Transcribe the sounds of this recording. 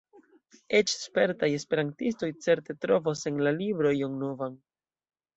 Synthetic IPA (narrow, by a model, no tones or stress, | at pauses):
e̞t͡ʃspe̞ɾtaje̞spe̞ɾantisto̞jt͡se̞ɾte̞tɾo̞vose̞nlalibɾo̞joŋnovan